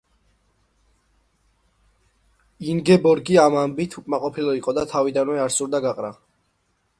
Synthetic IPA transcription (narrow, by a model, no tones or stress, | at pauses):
iŋɡɛbɔɾɡiamambit̪ʰukʼmaqʼɔpʰilˠɔiqʼɔd̪at̪ʰavid̪anmɛaɾsuɾd̪aɡaqʼɾa